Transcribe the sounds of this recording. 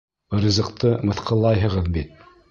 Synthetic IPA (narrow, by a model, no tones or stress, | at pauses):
rizɤ̆qt̪ɤmɤ̆θqʰɤ̆lˠɑjɦɤ̆ʁɤðbit̪̚